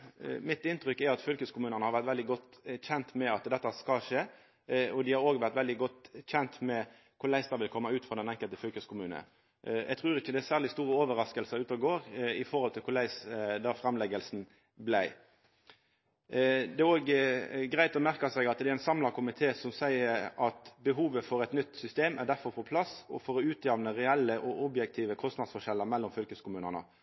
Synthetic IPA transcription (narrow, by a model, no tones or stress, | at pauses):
mɪt̪ɪnt̪ʁʏkːæɑt̪fʏlkəskʰʊmʉːnəʁnəhɑʁʋæʁt̪ʋɛld̪ɪɡɔt̪ːçɛnt̪mɛɑt̪d̪ɛt̪ːəskɑʂeː | ɔd̪ɪhɑɾoːɡʋæʁt̪ʋɛld̪ɪɡɔt̪ːçɛnt̪mɛ | kʰʊɾlæɪsd̪ɑʋɪlkʰɔmːəʉːt̪fʁɑːd̪ɛnɛŋkəlt̪əfʏlkəskʊmʉːnə̰ | ɛ̰ɡt̪ʰʁʉːɾɪçːəd̪ɛæsæːʁlɪst̪uːɾəoːʋəɾɑskəlsəʉːt̪ɑɡoːɾɪfɔɾhɔlt̪ʰɪlkʰʊɾlæɪsd̪ɑːfɾɑmlɛɡəlsn̩ | blæɪ | d̪ɛoːɡɡɾæɪt̪ɔmæʁkɑsɛɡɑt̪d̪ɛæɾæɪnsɑmlɑkʰʊmɪt̪ʰeːsɔmsæɪəɑt̪bəɦuːʋəfɔɾɛt̪nʏt̪ːsʏst̪eːmæd̪æɾfɔɾpʰɔpʰlɑsɔfɔɾɔʉːt̪ʰjɑʋnəɾɛɛlːəʔɔʔʊbjɛk̚t̪ʰiːʋəkʰɔst̪nɑd̪sfɔʃɛlːəmɛlːɔmfʏlkəskʰʊmʉːnənə̰